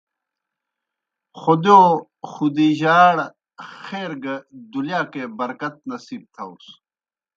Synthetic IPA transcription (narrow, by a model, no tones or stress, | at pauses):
xod̪joː | xud̪iʑaːɽ | xeːɾɡɐd̪uljaːkebɐɾkɐt̪̚nɐsiːb̚t̪ʰɐus